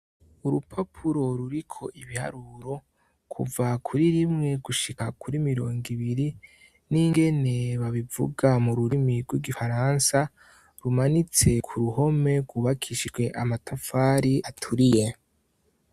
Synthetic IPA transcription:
uɾupʰapʰuɾo̞ɾuɾikʰo̞ʔiβiha̰ɾuɾo̞ | kʰṵvakʰuɾiɾimŋe̞ɡuʃikakʰuɾimiɾo̞ːŋɡiβiɾi | niŋɡe̞ne̞βaβivṵɡamuɾuɾimiɾɡwiɡifaɾansa | ɾumanit͡se̞kʰuɾuho̞me̞ɡwuβakʰiʃiʒɡwe̞ʔamatʰafaɾiatʰuɾije̞

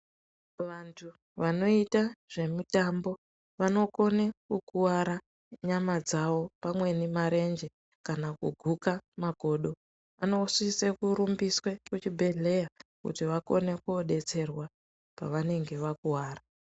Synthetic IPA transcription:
ʋantʰu | ʋano̞itaʐ̥e̞mutambo̞ | ʋano̞ko̞nekukuwaɾa | ɲamad͡zaʋo̞pamwe̞nimaɾe̞nd͡ʒe | kanakuɡʱukamaɡʱo̞ːɗo̞ | ano̞usisekuɾumbiswekut͡ʃibʱe̞ɮe̞jakṵtiʋako̞̰ne̞kuoɗe̞t͡se̞rwa | pa̰ʋane̞ŋɡe̞ʋakuwaːra

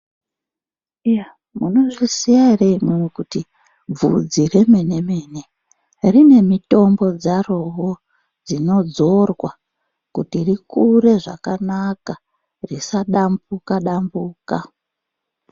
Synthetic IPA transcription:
ija | muno̞ʐisiaireimwemekuti | b͡vṵd͡zire̞me̞ne̞me̞ːne̞ | rine̞mito̞mbo̞d͡zaro̞ɦo | d͡zino̞d͡zo̞rwa | kutirikuɾe̞ʐa̰kanaka | risaɗambukaɗambuːka

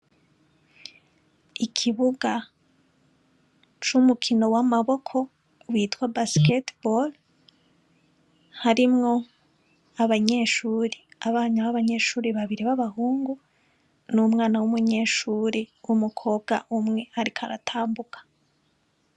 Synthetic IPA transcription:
ikʰiβuɡa | t͡ʃumukʰino̞wamaβo̞kʰo̞ | wiːtwabasketbol | haɾimŋo̞ | aβaɲe̞ːʃuːɾiaβaːɲaβaβaɲe̞ːʃuːɾiβaβiɾiβaβahuːŋɡu | numŋaːnawumuɲe̞ːʃuːɾewumukʰo̞ːbɡa̰ʔumŋe̞haɾikʰaɾa̰tʰaːmbukʰḁ

